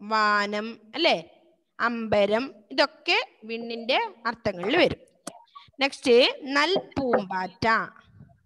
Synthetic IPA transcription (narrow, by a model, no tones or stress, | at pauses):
ʋaːnɐmɐlːe̞ː | ɐmbɐɾɐmiðo̞kːeʋiɳːinde̞ɐrt̪ːɐŋːɐɭilʋɐɾum | nekstɨnɐlpuːmbaːtːaː